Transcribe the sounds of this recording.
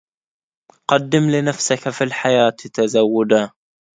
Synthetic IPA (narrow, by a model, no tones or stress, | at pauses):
qɑd̪ːɪmlɪnafsɪkafilħajaːt̪t̪azawːʊd̪a